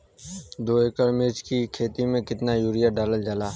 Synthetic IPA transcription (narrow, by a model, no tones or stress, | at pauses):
d̪oːekəɾmɪɾd͡ʒkikʰeːt̪imẽkɪt̪najuːɾijaɖaːləld͡ʒalaː